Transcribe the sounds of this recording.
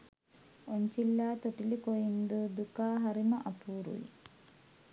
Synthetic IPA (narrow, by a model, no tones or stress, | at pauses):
oɲt͡ɕilːaːt̪oʈilikojind̪ud̪ukaːɦɐɾimɐʔɐpuːɾṵjḭ